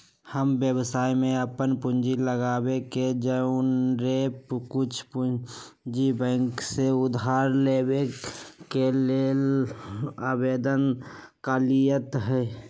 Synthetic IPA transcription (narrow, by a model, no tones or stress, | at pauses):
həmbjəbsaːimẽəpənpʊnd͡ʒiləɡaːbeked͡ʒənɾepkʊt͡ʃʰpʊd͡ʒibə̃ŋkseʊd̪ʱaːɾleːbekelel | abeːd̪ənkalijət̪ɦɛ